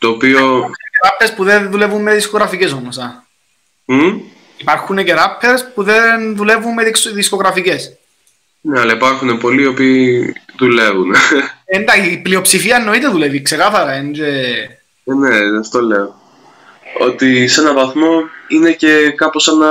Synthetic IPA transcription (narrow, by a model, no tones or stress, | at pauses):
t̪oːpioeɾɐpʰːespuðeðule̞vumːeðiskoɣɾɐfice̞so̞mosɐ | m̩ | ipɐɾxuneceɾɐpʰːeɾspuðenðule̞vumːeisðisko̞ɣɾɐfice̞s | neɐlɐipɐɾxunepo̞lio̞piːðule̞vunend̪ɐiːplio̞psifiɐenːo̞it̪eðulevikse̞kɐθɐɾɐind̪e | neɐft̪oleo | ot̪ise̞nɐvɐθmo̞ine̞ce̞kɐposɐnɐ